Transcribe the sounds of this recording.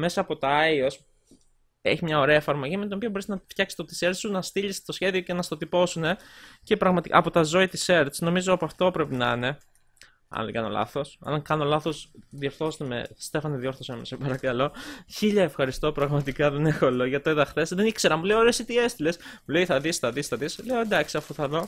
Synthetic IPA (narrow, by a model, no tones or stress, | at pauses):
me̞sɐːpo̞t̪oɐios | e̞̰çimɲɐo̞ɾe̞ɐefɐɾmo̞ʝimet̪onopiobo̞ɾisnɐft̪çɐksi̥st̪ot̪i̥seɾsunɐst̪iʎist̪osçe̞ðioce̞nɐst̪o̞t̪ipo̞sune̞ce̞pɾɐɣmɐt̪ikɐ̰ɐpo̞t̪ɐzo̞it̪ise̞ɾt̪sno̞mizoɐpoɐft̪o̞pɾe̞pinɐine̞ | ɐ̰nðekɐ̰nolɐ̰θo̞sɐ̰nɐŋkɐno̞lɐθo̞sðio̞ɾθo̞set̪emḛst̪e̞fɐniðio̞ɾθosemesebɐɾɐkɐlo̞çiʎɐefxɐɾist̪o̞pɾɐɣmɐt̪ikɐðene̞xoloʝɐt̪oiðɐxθe̞sðenikse̞ɾɐmuleoɾesit̪eie̞st̪ile̞smuleiθɐðisθɐðisθɐðisle̞oend̪ɐksiɐfuθɐðo̞